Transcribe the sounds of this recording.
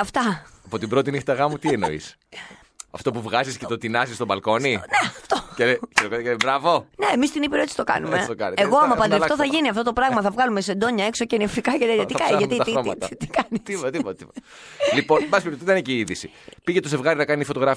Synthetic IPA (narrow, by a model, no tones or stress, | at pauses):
ɐft̪ɐɐpo̞t̪ibɾo̞t̪inixt̪ɐɣɐmut̪ieno̰ḭs | ɐft̪o̞puvɣɐziscet̪o̞t̪inɐzist̪obɐlko̞nineɐft̪ocelecet̪okot̪ɐelebɾɐvo̞neemist̪inipiɾot̪isi̥t̪o̞kɐ̰nume̞t̪okɐ̰neɣoɐmɐpɐnd̪ɐft̪oθɐʝiniɐft̪o̞t̪o̞pɾɐɣmɐθɐvɣɐlumese̞nd̪o̞ɲɐe̞ksoceniefikɐʝɐt̪iɐt̪ikɐɐmit̪ɐiɾoɐt̪ɐ̰t̪ikɐnit̪ipot̪ɐt̪ipot̪ɐt̪ipot | lipo̞nnbɐspipt̪t̪it̪ɐneciːiðisi | piʝet̪oze̞vɣɐɾinɐkɐnifooɣɾɐf